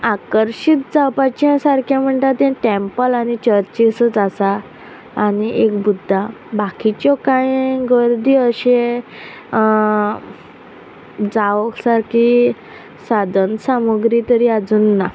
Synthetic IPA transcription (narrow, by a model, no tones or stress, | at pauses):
akəɾɕit̪̚d͡zapat͡ɕãsaɾkʰjãm̤əɳʈ̪at̪ẽʈempəlañit͡ɕəɾt͡ɕisət͡sasaː | niʔekbud̪ʱːabakit͡ɕjɔkãjɡəɾd̪ʱiːəɕẽ | d͡zaʋəksaɾkʰi | sad̪ʱənsaməɡɾit̪əɾiad͡zuːnːa